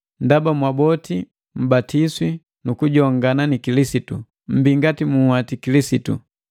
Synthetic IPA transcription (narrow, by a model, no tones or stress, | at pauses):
ndabamwabɔti | m̩batiswi | nukuɟɔŋɡananikilisitṵ | m̩biŋɡatimuhwatikilisitṵ